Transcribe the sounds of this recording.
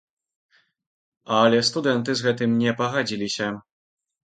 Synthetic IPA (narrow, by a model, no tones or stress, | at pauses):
alɛst̪ud̪ɛnt̪ɘzɣɛt̪ɘmɲɛpɔɣad͡ʑilʲiɕɛ